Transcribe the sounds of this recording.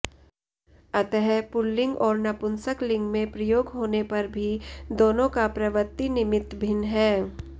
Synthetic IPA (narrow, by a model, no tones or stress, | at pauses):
ɐt̪əɦɛpʊlːɪ̃ŋɡɔːɾnɐpʊnsəklɪ̃ŋɡmẽpɾɐjoːɡɦoːnepɐɾbʱid̪oːnõkapɾɐʋət̪ːinɪmɪt̪bʱɪnɦɛː